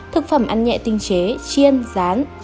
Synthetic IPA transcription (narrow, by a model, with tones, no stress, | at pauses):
t̪ʰɨ˨˩k̚fə˧˩mʔa˧nɲɛ̰˧˨t̪ï˧ŋ̟t͡ɕe˨˦t͡ɕi˧ənzaː˨˦n